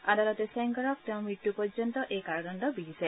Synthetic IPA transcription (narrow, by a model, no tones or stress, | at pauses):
ad̪alɔt̪esɛŋɡɔɾɔk̚t̪ɛ̃w̃miʈːupɔɾd͡ʒɔnt̪ɔʔejkaɾɔnɔnd̪ɔbiɦise